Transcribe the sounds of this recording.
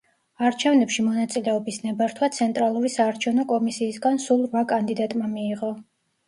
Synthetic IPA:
aɾt͡ʃʰɛvnɛpʃimɔnat̪sʼilɛɔbisnɛbaɾt̪ʰwat̪sʰɛnt̪ʼɾalˠuɾisaːɾt͡ʃʰɛvnɔkʼɔmisiːsɡansulˠɾvakʼand̪id̪at̪ʼmamiːʁɔ

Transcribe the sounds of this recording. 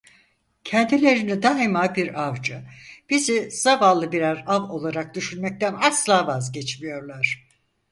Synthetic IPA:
cʰɛnd̪ilʲe̞ɾinid̪aːimabiɾavd͡ʒɯb̥iziz̥avalˠːɯbiɾaɾavo̞lˠaɾak̚d̪yʃynmɛc̚t̪ʰænaslˠaːvazɟɛt͡ʃmijo̞ɾlˠaɾ̥

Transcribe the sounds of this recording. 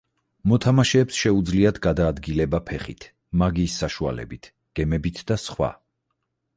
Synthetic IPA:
mɔt̪ʰamaʃɛːpsʃɛud̪zliad̪ɡad̪aːd̪ɡilɛbapʰɛχḭt̪ʰ | maɡiːsːaʃua̰lɛ̰bit̪ʰ | ɡ̥ɛmɛbit̪ʰd̪̥asχwa̰

